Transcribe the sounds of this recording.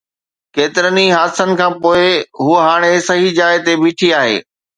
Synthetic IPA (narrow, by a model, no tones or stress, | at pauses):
keːt̪ɪɾəniɦaːsənɪ̆kʰãːpoːɪɦuəɦaːɽ̃esɐɦid͡ʑaːɪt̪ebiːʈʰiaːɦḛː